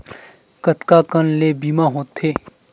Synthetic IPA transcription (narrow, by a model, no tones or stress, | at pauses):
kət̪kaːkənleːbiːmaɦoːt̪ʰeː